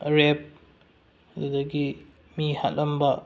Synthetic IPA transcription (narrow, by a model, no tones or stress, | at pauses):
ɾep̚ | dudɐɡi | miha̰tlɐmbɐ